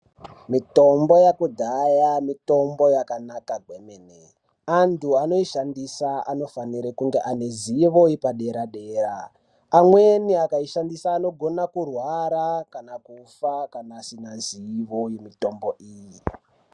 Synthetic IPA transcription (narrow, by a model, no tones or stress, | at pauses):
mito̞mbo̞jakudʱajamito̞mbo̞jakanakaɡʱwenene | antʰuano̞iʃandisaa̰no̞faniɾekuŋɡe̞ʔane̞ziʋo̞ipaɗe̞ɾaɗe̞ːɾaː | mwe̞niakaiʃandisaːno̞ɡʱo̞nakurwaɾakanakufakanaːsinaziʋo̞jemito̞mboʔiːji